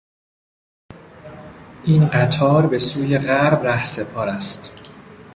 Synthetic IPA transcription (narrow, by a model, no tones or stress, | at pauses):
ʔiːnɢæt̪ʰɒːɾbe̞suːje̞ɣæɾbnæhse̞pʰɒːɾæst̪